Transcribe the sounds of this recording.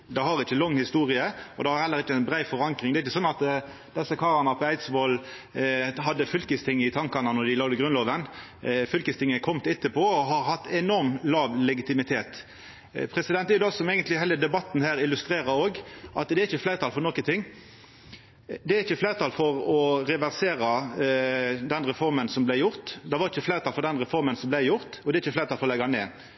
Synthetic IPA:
d̪ɛhɑɾɪçːəlɔŋːhɪst̪uːʁɪəɔd̪ɛhɑɾhɛlːəɾɪt͡ʃːənbʁæɪfɔɾɑŋkɾɪŋd̪ɛɾɪçəsɔnːɑt̪ | d̪̥ɛsːəkʰɑːʁɑnɑpʰɔæɪt̪sʋol | ɦɑd̪ːəfʏlkəst̪ʰɪŋːɪt̪ʰɑŋkɑnɑnɔd̪ɪlɑːd̪əɡɾʉnloːʋən | fʏlkəst̪ʰɪŋːəkʰɔmt̪ɛt̪ːəpʰoɔɦɑɾɦɑt̪ːɛnɔɾmlɑːʋlɛɡɪt̪ɪmɪt̪ʰeːt̪ | pʰɾɛsɪd̪ɛnt̪ɛɾjd̪ɑɑsɔmɛɪɡənt̪lɪɦæːləd̪ɛbɑt̪ːn̩hæːɾɪlʉst̪ɾeːɾɑɾoːɡʔɑt̪d̪ɛæɾɪçəflæɪʁt̪ɑːlfɔɾnɔkːənt̪ʰɪŋː | d̪ɛæɾɪçːəflæɪʁt̪ʰɑːlfɔɾɔɾɛʋæʁseːɾɑ | d̪ɛnʁɛfɔɾmənsɔmblæɪjʊʁt̪d̪ɛʋɑɾɪçːəflæːʁt̪ʰɑːlfɔɾd̪ɛnʁɛfɔɾmənsɔmblæɪjʊʁt̪ɔd̪ɛɪçːəflæɪɾt̪ɑlfɔɾɔlɛɡɑnḛː

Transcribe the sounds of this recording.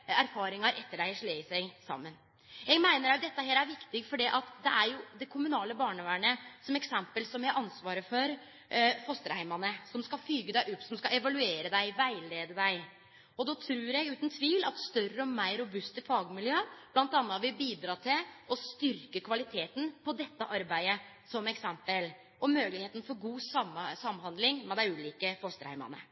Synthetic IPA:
æɾfɑːɾɪŋɑɾʔɛt̪ːəɖæɪʂɭeːsæɪsɑ̰mːən | jɛɡmæɪnəɾæd̪ɛt̪ːəheːlæɾʋɪkt̪ɪɡfɔɖiːʔɑt̪d̪ɛæɾjʊd̪ɛkʰʊmʉnɑːləbɑːɳəʋæɳəsɔmɛksɛmpəlsɔmjæɪʔɑnsʋɑːɾəfɔɾ | fɔst̪əɾhæɪmɑnəsɔmskɑfyːɡəd̪æɪʔɔpːsɔmskɑɛʋɑlʉeːɾəd̪æɪʋæɪleːd̪əd̪æɪ | ɔd̪oːt̪ʰɾʉːɾɛɡʉːt̪ənt̪ʰʋiːlɑ̰t̪st̪œɾəɔmæɪɾʊbʉst̪əfɑːɡmɪljøːb̥lɑnt̪ɑnːəɑʋɪbiːd̪ɾɑːt̪ʰɪlɔst̪ʏɾkəkʰʋɑlɪt̪ʰeːt̪n̩pʰɔd̪ɛt̪ːəʔɑɾbæɪə | sɔmɛksɛmpəl | ʔɔmøːlɪheːt̪ən̩fɔɾɡuːsɑmsɑmːhɑnd̪lɪŋmɛd̪æɪʉːliːkəfɔst̪əɾhæ̰ɪmɑ̰nə̰

